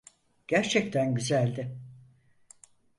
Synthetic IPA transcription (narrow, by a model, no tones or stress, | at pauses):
ɟ̥æɾt͡ʃʰɛct̪ʰænɟyzælʲd̪ɪ